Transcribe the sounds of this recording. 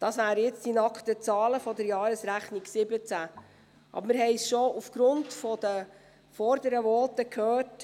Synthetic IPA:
d̥ɑsʋæːɾjɪt͡sd̥inɑkχt̪ət͡sɑːləfɔdɛɾjɑːɾəsɾæχniɡsɪbət͡sæ | ʔɑ̰bəɾmɪɾɦɛɪsʃɔufɡ̥ɾʊntfɔd̥̪ə | fɔɾd̥̪əɾəʋɔːt̪əkʰhøːrt

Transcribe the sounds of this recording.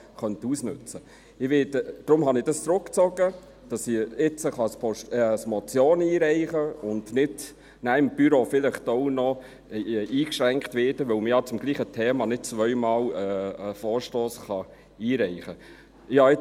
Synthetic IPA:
χœntusnʉt͡sə | ɪʋɪdəd̥ɾʊmɦɑnɪd̥ɑst͡sɾʊkt͡sɔɡə | d̥ɑsiɪt͡səχɑspɔʃəsmɔt͡sjoːniːɾɛɪχəʊndnɪd | næɪmb̥yɾofɪlɪχtoʊnɔ | iːkʃɾæŋktʋɪːd̥əʋœwməjɑt͡sʊmɡliːχətʰɛːmɑnɪt̚t͡sʋœʏmɑːlɛfɔːɾʃtoːsχɑ | iːɾɛɪχə | jɑːɪ

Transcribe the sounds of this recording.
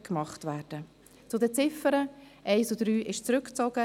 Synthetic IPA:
kmɑχtvæːɾd̥ə | t͡sʊdət͡sɪfəɾəʔɛɪsud̥ɾyːʔɪʃt͡sɾʏkt͡sɔɡ̥ə

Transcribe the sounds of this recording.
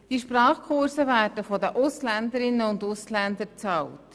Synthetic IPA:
d̥iʃpɾɑːχkʰʊɾsəvæːrd̥əfɔdəʔʊslænd̪əɾɪnəʊndʊslænd̪əɾt͡sɑlt

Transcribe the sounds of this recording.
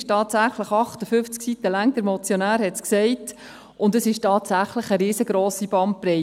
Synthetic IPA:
ʃtɑːtsæχləχɑχtəfʏft͡sksit̪əlæŋt̪əɾmɔt͡sjonæːɾhɛtsksɛɪt | ʊndəsɪʃtɑːtsæχləχəɾiːsəɡ̥ɾoːsib̥ɑn̚pɾɛ

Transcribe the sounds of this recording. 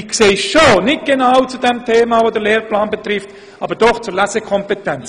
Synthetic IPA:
kseːʃonɪt̚ɡ̥enaʊt͡sudɛmtʰeːmavodəleːɾplaːnbet̪ɾɪft | ʔɑːbəɾd̥ɔχt͡sʊɾlæsəkʰɔmpetɛnt͡s

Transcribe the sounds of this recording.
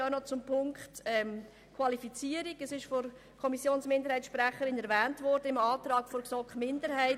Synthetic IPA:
aʊnɔt͡sʊmpʰʊŋkχtɛm | kʰwɑlifit͡siːəɾiɡəsɪʃfɔɾ | kʰɔmisjoːnsmɪndəɾhɛɪsʃpɾæχəɾɪnɛɾvɛːntvɔɾd̥əɪmɑːtɾɑːkfɔɾksɔkχmɪndəɾhɛɪt

